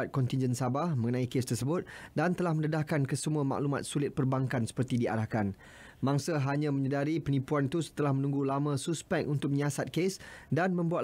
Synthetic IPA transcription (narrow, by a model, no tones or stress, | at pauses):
at̪̚kɔnt̪ind͡ʒənsabahmə̃ŋənãikest̪ərsəbʊt̪̚dant̪əlahmə̃nədahkankəsəmuama̰ʔluma̰t̪̚sulɪt̪̚pərbaŋkansə̥pərt̪idia̰ɾahkan | mãŋsəɦaɲãmə̃ɲədaɾipənipuant̪usə̥t̪əlahmə̃nũŋɡulamãsuspɛkʔunt̪ʊk̚məɲasat̪̚kesdanmə̃mbuat̪